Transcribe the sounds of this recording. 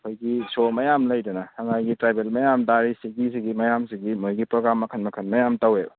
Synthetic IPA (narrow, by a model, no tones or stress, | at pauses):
kʰojɡisomɐjamlɐjdɔnahaŋajɡitɾajbelmɐjamdaɾisiɡisiɡimɐjamsiɡimojɡipɾoɡɾamːɐkʰɐnmɐkʰɐnmɐjamtaweb